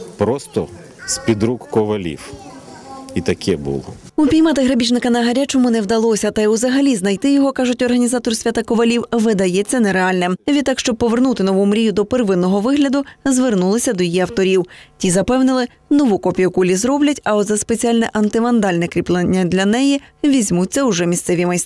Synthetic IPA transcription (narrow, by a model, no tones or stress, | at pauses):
pɾɔst̪ɔ | spʲid̪ɾukːɔʋɐlʲḭw | it̪ɐkɛbṵlˠɪ̰ | upʲijmɑt̪ɪɦɾɐbʲit͡ʃnɪkɐnɐɦɐɾʲat͡ʃɔmʊnɛwd̪ɐlˠɔsʲɐt̪ɐjuzɐɦɐlʲiznɐjt̪ɪjɔɦɔkɑʒʊtʲɔrɦɐnʲizɑt̪ɔrsʲʋʲat̪akɔʋɐlʲiwʋɪd̪ɐjɛt͡sʲːɐnɛɾeɑlʲnɛmʋʲid̪ɑkʃt͡ʃɔb̚pɔʋe̞rnut̪ɪnɔʋumɾʲijʊd̪ɔperʋɪnːɔɦɔʋɪɦlʲɐd̪ʊzʋernulˠɪsʲɐd̪ɔjijiɐwt̪ɔɾʲiwtʲizɐpɛwnɪlˠɪ | nɔʋukɔpʲijʊkulʲizɾɔblʲɐtʲɐɔd̪zɐspet͡sʲialʲnɛʔɐnt̪ɪmɐnd̪ɑlʲnɛkɾʲiplˠɪnʲːɐd̪lʲɐnɛjiʋʲizʲmutt͡sʲːɐʊʐɛmʲissɛʋʲimɐjs